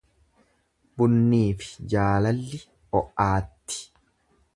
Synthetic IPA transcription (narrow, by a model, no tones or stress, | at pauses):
bʊnːiːfɪ̥d͡ʒaːlɐlːɪ | ɔʔaːt̪ːɪ̥